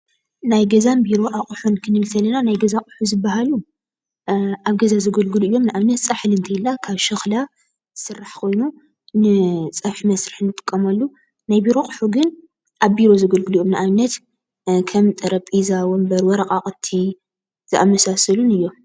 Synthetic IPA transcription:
najɡɐzanbiɾo̞ʔaχʼuħunkʰɨnɨlt̪ʰɐlɐnanajɡɐzakʼʊ̥ħuzɨbːaɦalu | ʔaβɡɐzazɨɡɐlɡɨluɨjːo̞mnɨʔaβnɐt̪t͡sʼaħlɨnt̪ʰɐjilːakʰaβʃɨxla | sɨrːaħkʰo̞jnu | nɨt͡sʼɐβħmɐsɾiħnɨt̪ʼɨ̥kʼːɐmɐlːu | najbiɾo̞qʼɨħuɡɨn | ʔaβbiɾo̞zɨɡɐlɡɨlujomnɨʔaβnɐt̪ | kʰɐmt̪ʼɐɾɐpʼizawombɐɾwɔɾɐqʼakʼɨt̪ʰi | z̥ɨʔa̰mɐsasɐlunɨjːo̞m

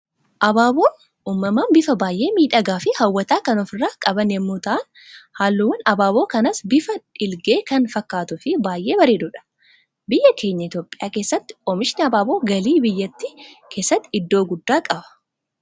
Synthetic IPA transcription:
ʔɐbaːbo̞ː | uːmːɐmaːnbɪfɐbaːjʔe̞ːmiːᶑɐɡaːfɪhɐwːɐt̪aːkɐnɔfɪrːaːkʼɐbɐnjɛmːoːt̪ɐʔɐn | haːlːʊwɐnɐbaːbo̞ːkɐnɐsbɪfɐᶑɪlɡeːkɐnfɐkːaːt̪ʊfɪbaːjʔe̞ːbɐɾeːd̪ʊᶑɐ̥ | bɪjːɐkʰe̞ːɲːɐɪt̪jo̞ːpʼːɪ̥jaːkeːsːɐt̪ːɪ̥kʼɔmɪʃɪnɐbaːboːɡɐliːbɪjːɐt̪ːikʰe̞ːsːɐt̪ːɪɪd̪ːo̞ːɡʊd̪ːaːkʼɐbɐ̥

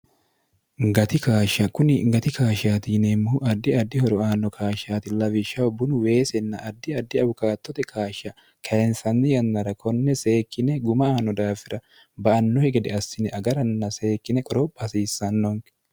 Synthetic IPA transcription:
ŋɡɐt̪ɪkaːʃːɐkʊnɪŋɡɐt̪ɪkʰaːʃaːt̪inemːuʔɐd̪ːɪɐd̪ːɪhɔɾɔaːnːɔkʰaːʃaːt̪ɪlɐvɪʃːɐɔbʊnʊwe̞ːsɛnːɐʔɐd̪ːɪɐd̪ːɪɐbʊkaːt̪ːɔt̪ɛkʰaːʃɐ | kʰɐɛnsɐnːɪjɐnːɐɾɐkʰɔnːɛse̞ːkːɪnɛɡʊmɐaːnɔd̪aːfɪɾɐ | bɐʔɐnːɔhɛɡɛd̪ɛɐsːɪnɛʔɐɡɐɾɐnːɐse̞ːkːɪnɛkʼɔɾɔpʼːɐsiːsːɐnːɔŋ

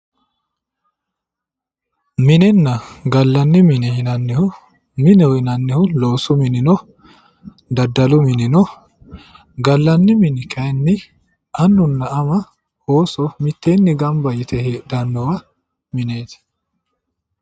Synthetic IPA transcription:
mɪnɛnːɐɡɐlːɐnːɪmɪnɛhɪnɐnːɪhʊ | mɪnɛɔhɪnɐnːɪhʊlo̞ːsʊmɪnɪnɔ | d̪ɐd̪ːɐlʊmɪnɪnɔ | ɡɐlːɐnːɪmɪnɪkʰɐjnːɪ | ɐnːʊnːɐɐmɐ | oːsɔmɪt̪ːeːnːɪɡɐmbɐjɪt̪ɛheːd̪ɐnːɔwɐ | mɪneːt̪

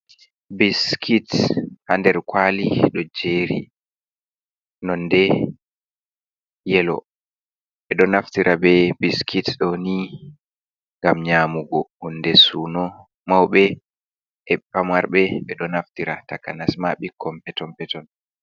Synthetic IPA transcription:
biskʰithandɛɾkwaliɗɔd͡ʒeːɾḭ | nɔnːdɛ | jɛlɔ̰ | ɓɛɗɔnaftiɾʔabɛbiskʰitɗɔni | ŋɡamɲamuɡɔhundɛsunɔ | mawɓɛ | ɛpːamwaɾɓɛɓɛɗɔnaftiɾatakanasmaɓikʰːɔmpɛtɔmpɛtɔn

